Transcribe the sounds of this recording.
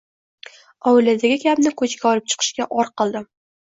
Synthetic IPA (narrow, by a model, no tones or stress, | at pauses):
ɒwɪlad̪aɡʲɪkʲʰamnɪkʰɵt͡ʃɡʲaɒlˠɪp̚t͡ʃʰɨ̥qʰɨ̥ʃkʲaʔɒɾqɨlˠd̪ɪ